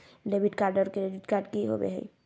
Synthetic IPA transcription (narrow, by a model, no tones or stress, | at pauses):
ɖebʱiʈkaɾɖəɾkeɾed͡ʒiʈkaɾɖkiɦo̰bḛɦə̰j